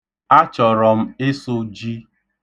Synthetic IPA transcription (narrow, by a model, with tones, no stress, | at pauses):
a˦t͡ʃɔ˨ɾɔ˨m̩˦e˦so˦d͡ʒi˦